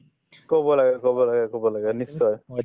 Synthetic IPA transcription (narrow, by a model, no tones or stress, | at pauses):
kɔbɔlaɡɛkɔbɔlaɡɛkɔbɔlaɡɛnisːɔj